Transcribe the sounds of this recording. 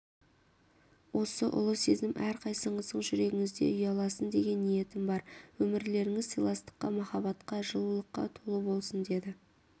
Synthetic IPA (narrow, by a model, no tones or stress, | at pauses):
wo̞səʔʊ̰lˠəsezɪmʔæɾqʰɑjsəɴəzəɴʒʏɾe̞ɡʲɪŋɪzd̪e̞̰ʏjɑlˠɑsənd̪e̞ɡʲe̞nːije̞t̪ɪmbɑɾwɵmɪɾle̞ɾɪŋɪzsijlˠɑst̪ə̥qːɑmɑχɑbɑt̪qɑʒəlˠəlˠəqːɑ̰t̪ʰolˠəbo̞lˠsənd̪e̞d̪ɪ